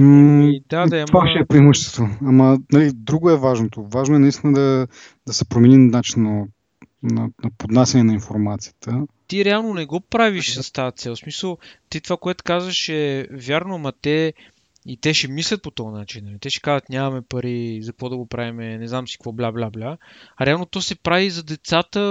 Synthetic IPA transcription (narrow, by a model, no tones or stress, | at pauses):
d̪ad̪aaʃɛːpɾimuʃt̪ɛ̥t̪oamɐnɐlid̪ɾuɡoɛvaʒnot̪ovaʒnoɛnɐist̪inəd̪ɐ | d̪ɐsɛpɾomɛninnat͡ʃinːɐ | nɐnɐpod̪nasʲjɐnɛnɐinfoɾmat̪sijə̥t̪ət̪iɾɛalˠnonɛɡɔpɾaviʃsɐst̪aət̪sɛlˠsmisəlˠt̪it̪ovakoɛt̪ʊ̥kazvəʃɛvjaɾnomɐt̪ɛ | it̪ɛʃɛmislʲət̪̚pot̪ɔnat͡ʃinːɐlit̪ɛʃɛ̥kazət̪nʲamɐmɛpɐɾizɐkvɔd̪ɐɡopɾavimɛnɛznamsi̥kvɔblʲablʲablʲaɐɾɛalˠnot̪ɔsɛpɾavizɐd̪ɛt̪sat̪ə